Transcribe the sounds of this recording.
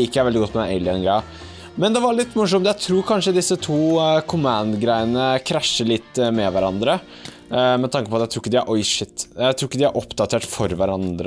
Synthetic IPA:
ɪkːəæɾʋɛld̪ɪɡɔt̪mɛɛlɪɛnɡɾæɪ | mɛnd̪ɛʋɑɾɭɪt̪ːmʊʂɔmt̪jæɪt̪ʰɾuːɾkʰɑnʂəd̪ɪsːət̪ʰuːkʰʊmɑnd̪ɡɾæɪənəkʰɾæʂːəɭɪt̪ːmɛʋæɾɑnd̪ɾə | mɛt̪ʰɑŋkəpɔɑt̪jæɪt̪ʰɾuːɪkːəd̪ɪæɾʔɔjʂɪt̪ːjæɪt̪ʰɾuːɪkːəd̪ɪæɾʔɔpd̪ɑt̪ʰeːʈfɔɾʋæɾɑnd̪ɾə

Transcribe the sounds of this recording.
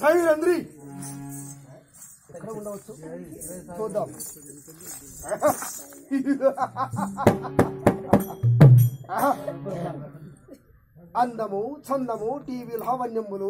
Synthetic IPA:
kʰɐjiɾɐnd̪ɾi | kːɐɽuɳɖɐɐt͡ʃːu | t͡ʃʰud̪ːɐm | ɐnd̪ɐmut͡ʃʰɐnd̪ɐmuʈiːʋilɐɦɐʋɐnjɐmːulu

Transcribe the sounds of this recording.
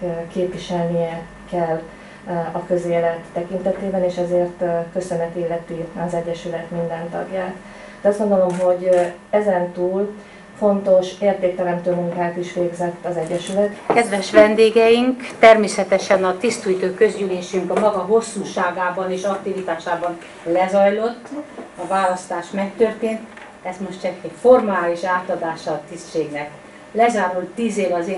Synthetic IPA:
keːpʋiʃɛlnijɛ | kɛlː | ɒkø̞zeːlɛt̪ːɛkint̪ɛt̪eːbɛneːʃɛzeːrt̪kø̞sø̞nɛt̪ilːɛt̪iɒzɛɟːɛʃylɛt̪mind̪ɛnt̪ɒ̰ɡjaːt̪ | d̪̥ɛɒzdɡo̞nd̪o̞lo̞mɦo̞ɟ | ɛzɛnt̪uːl | fo̞nt̪o̞ʃeːrt̪eːk̚t̪ɛlɛnt̪øːmuŋkaːt̪iʃʋeːɡzɛt̪ːɒzɛɟːɛʃylɛt̪kɛd̪ʋɛʃʋɛnd̪eːɡɛjiŋkt̪ɛrmeːsɛt̪ɛʃɛnɒt̪ist̪uːjt̪øːkø̞zɟyleːʃyŋkɒmɒɡɒɦo̞sːuːʃaːɡaːbɒneːʃɒk̚t̪ivit̪aːʃaːbɒn | lɛzɒjlo̞t̪ːɒvaːlɒst̪aːʃmɛkt̪ø̞rt̪eːnt̪ | ɛsmo̞ʃtt͡ʃɛkːɛfo̞rmaːliʃaːt̪ɒd̪aːʃɒːt̪ist͡ʃeːɡnɛk | lɛzaːɾult̪ːiːzeːvɒze

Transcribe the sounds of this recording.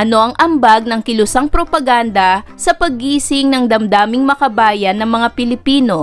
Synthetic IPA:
ʔɐno̞ʔɐŋʔɐmbaɡ̚nɐŋkɪlʊsaŋpɾo̞pɐɡand̪ɐsɐpɐɡ̚iːsɪŋnɐŋd̪ɐmd̪aːmɪŋmɐkɐbaːjɐnːɐŋmɐŋapɪlɪpiːno̞

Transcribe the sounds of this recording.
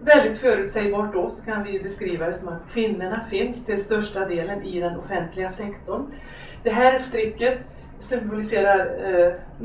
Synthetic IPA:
vɛld̪ɪt̪fœːɾʉ̟ːt̪sɛjbɑːʈd̪ɔsɔ̥kʰanvɪbɛskɾiːvad̪ɛsɔmat̪kʰvɪnːəɳafɪnst̪ʰɪlst̪œʂʈad̪eːlənʔɪd̪ɛnɔfɛnt̪ʰlɪɡasɛkt̪ʊɳ | d̪̥ɛɦæːɾæʂt̪ɾɪkːət̪ | sʏmbʊlɪseːɾaɾ

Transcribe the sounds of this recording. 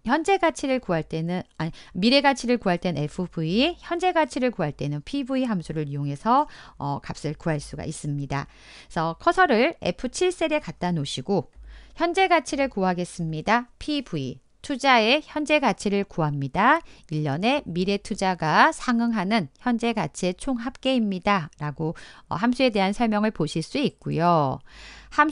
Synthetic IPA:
çjʌnd͡ʑe̞ɡat͡ɕʰiɾɯɭkuaɭt͈e̞nɯamiɾe̞ɡat͡ɕʰiɾɯɭkuɦaɭt͈e̞ne̞pʰɯbuiçjʌnd͡ʑe̞ɡat͡ɕʰiɾɯɭkoɦaɭt͈e̞nɯnpʰibuiɦamsʰuɾɯɭijoŋe̞sʰʌʌ̰kap̚s͈ɯɭkuɦaɭs͈uɡa̰is͈ɯmɲida | sʰʌkʰʌsʰʌɾɯɭe̞̰pʰɯt͡ɕʰiɭs͈e̞ɾe̞kat̚t͈anoɕʰiɡoçjʌnd͡ʑe̞ɡat͡ɕʰiɾɯɭkuɦaɡe̞s͈ɯmɲidapʰibʰuḭ | tʰud͡ʑae̞çjʌnd͡ʑe̞ɡat͡ɕʰiɾɯɭkuɦamɲidaiʎːʌne̞miɾe̞tʰud͡ʑaɡasʰaŋɯŋɦanɯnçjʌnd͡ʑe̞ɡat͡ɕʰiet͡ɕʰoŋɦap̚k͈e̞imɲidaɾaɡoʌ̰ɦamsʰue̞de̞ɦansʰʌɭmjʌŋɯɭpoɕʰiɭs͈uik̚k͈ujo | ham

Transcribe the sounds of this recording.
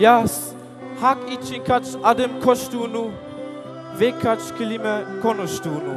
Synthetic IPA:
jas | hakit͡ʃinkʰat͡ʃʔadəmkʰɔʃtuːnu | vekʰat͡ʃkʰəliməkʰɔnoʃtuːnu

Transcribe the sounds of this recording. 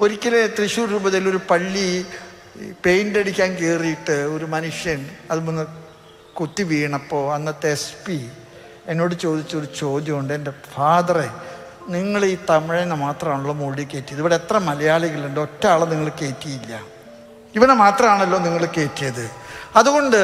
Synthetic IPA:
o̞ɾikʲːɐlet̪riɕuːrɾuːbɐðilːo̞ɾupɐɭːi | pe̞jndeɽikʲːaːnkeːrijiʈːɨoɾumɐnuʂjɐnɐðumunːɐ | kut̪ːiʋiːɳɐpːo̞ːɐnːɐt̪espi | enːo̞ːɽɨt͡ɕo̞ːd̪it͡ɕːoɾut͡ɕo̞ːd̪jɐmuɳɖɨendefaːðɐre | niŋːɐɭiːt̪ɐmiɻenːɐmaːt̪rɐmaːɳuɭːɐmoːɻikːe̞ːtːijɐðiʋɐɽeet̪rɐmɐlɐjaːɭiɣiɭendo̞tːɐaːɭɐniŋːɐɭke̞ːtːijilːɐ | iʋɐnemaːt̪rɐmaːɳelːo̞ːniŋːɐɭke̞ːtːijɐðɨɐðuɣo̞ɳɖɨ

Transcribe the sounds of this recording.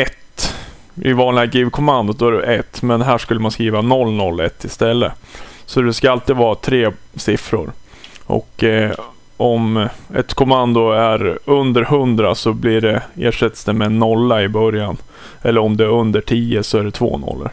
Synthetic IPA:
ɛt̪ | ɪ̰vɑːnlɪɡaɡiːvkʰɔmand̪ʊd̪ɔæɖɛʔɛt̪ːmɛnɦæːʂkɵlːəmanskɾiːvanɔlːnɔlːɛ̰t̪ʰːɪst̪ɛlːəsɔd̪ɛskaalt̪iːd̪vɑːt̪ʰɾeːsɪfɾʊ̰ɾ | ʔɔ̰kː | ʔɔmɛ̰t̪kʰɔmand̪ʊæɾɵnd̪əɾɦɵnd̪ɾa̰sɔblɪɖɛḛːʂɛt̪ːsd̪ɛmɛnɔlːaɪbœɾjan | ʔɛlːəɾɔmd̪ɛæɾɵnd̪əʈʰiːəsɔæɖɛt̪ʰvo̰ːnɔ̰lːə̰ɾ

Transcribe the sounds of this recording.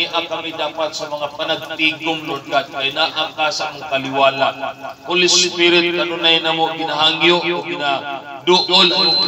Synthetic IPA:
ɪʔakɐmɪd̪aːpat̪sɐmɐŋapanaɡ̚t̪iɡʊmlʊnɡat̪̚kajnaʔakasaamʊŋkalɪwaːlanpʊlɪsʊpɪɾɪt̪̚kaɾʊnajnamoʔɡɪnaɦaŋjoʔoɡɪnad̪ʊʔolʔo

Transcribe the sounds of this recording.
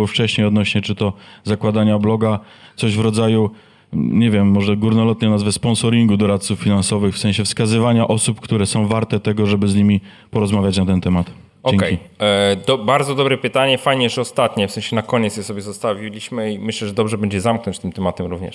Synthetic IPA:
ɔft͡ʂɛɕɲejɔd̪nɔɕɲɛt͡ʂɘt̪ɔzakwad̪aɲablɔɡa | t̪sɔʑvɾɔd̪zaju | ɲɛvʲjɛmːɔʐɛɡuɾnɔlɔt̪ɲɛnazvɛspɔ̃nsɔɾʲiŋɡud̪ɔɾat̪t̪sufːʲinansɔvɘxfsɛ̃ɕɛfskazɘvaɲaʔɔsupkt̪uɾɛsɔ̃w̃vaɾt̪ɛt̪ɛɡɔʐɛbɘzɲimʲi | pɔɾɔzmavʲjat͡ɕnat̪ɛnt̪ɛmat̪ | ɔɛkɛkjid̪ɔbaɾd̪zɔd̪ɔbɾɛpɘt̪aɲɛfajɲɛʐɛɔst̪at̪ɲɛfsɛ̃ɕɛnakɔɲet̪sjɛsɔbʲjɛzɔst̪avʲilʲiɕmɘimɘɕlɛʐɛd̪ɔbʐɛbɛɲd͡ʑɛzamknɔ̃ɲt͡ɕt̪ɘmt̪ɛmat̪ɛmɾuvɲɛ̰ʂ

